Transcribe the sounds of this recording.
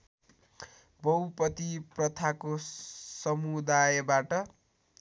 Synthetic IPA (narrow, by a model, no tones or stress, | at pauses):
bʌwpʌt̪iprʌt̪ʰakosʌmud̪ajʌbaʈʌ